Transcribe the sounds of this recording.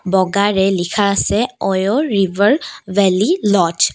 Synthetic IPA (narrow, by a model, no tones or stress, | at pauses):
bɔɡaɹɛlikʰaːsɛɔjɔɹivəɹbɛlilɔt